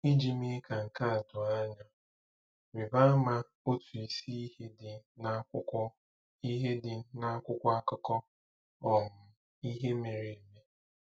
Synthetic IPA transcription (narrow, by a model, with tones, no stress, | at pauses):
i˦d͡ʒi˨mɪ˦ka˨ŋ̩˨ka˦a˨dʊ˨a˦ɲa˦ | ɾɪ˨ba˦a˦ma˦ | o˦tu˨i˨si˦i˦he˦dɪ˨na˦ʊ˦ɔ˦ | i˦ɦe˦dɪ˨na˦kʷʊ˦kʷɔ˦a˦kɔ˦kɔ˦ | ɔ˨m̩˨ | i˦ɦe˦me˨ɾe˨e˨me˦